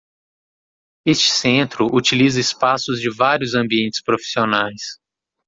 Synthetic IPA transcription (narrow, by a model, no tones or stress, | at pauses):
est͡ʃɪ̥sẽnt̪ɾʊʔut͡ʃilizɐɪspasʊzd͡ʒɪvaɾjʊzɐ̃mbiẽnt͡ʃɪ̥spɾofi̥sionajs